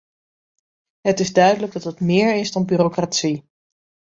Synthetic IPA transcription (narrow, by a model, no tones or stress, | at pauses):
ɦətɪzdœɥdələɡ̚dɑtɦətmɪːɹɪzdɑnbyːrokratsi